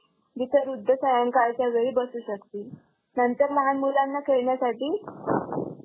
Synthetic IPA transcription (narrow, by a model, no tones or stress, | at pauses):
d̪it̪əɾud̪ʱːəsəjãŋkaɭt͡ɕjaʋeɭiːbəsuːɕəkt̪iː | nənt̪əɾməɦanmulanːakeɭɳjasaʈiː